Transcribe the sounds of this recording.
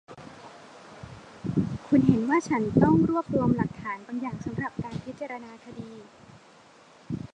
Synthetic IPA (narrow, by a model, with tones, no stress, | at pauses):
kʰu˧nɦe˩˦nwaː˥˩t͡ɕʰa˦˥nt̪ɔ˥˩ŋɾu˥˩əp̚ɾu˧əmla˨˩k̚t̪ʰaː˩˦nba˧ŋjaː˨˩ŋsa˩˦mɾa˨˩p̚kaː˧npʰi˦˥t̪̚t͡ɕa˧ɾa˧naː˧kʰa˧diː˧